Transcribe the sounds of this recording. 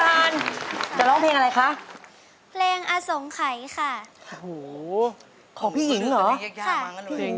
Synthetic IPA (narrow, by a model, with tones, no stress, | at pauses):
aː˧nt͡ɕa˨˩lɔː˥˩ŋpʰleː˧ŋa˧a˧jkʰa˦˥ʔ | pʰleː˧ŋʔaː˧so˩˦ŋkʰa˩˦jkʰa˥˩˧hoː˨˩ | kʰɔː˩˦ŋpʰiː˥˩ji˨˩˦ŋlɔː˨˩˦kʰa˥˩iː˥˩˧